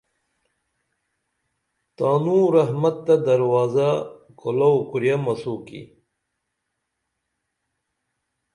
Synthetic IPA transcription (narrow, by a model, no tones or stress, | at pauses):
t̪aːnũɾɐɦmɐt̪ːɐd̪ɐɾwaːzakolɐwkuɾjamɐsuːkḭ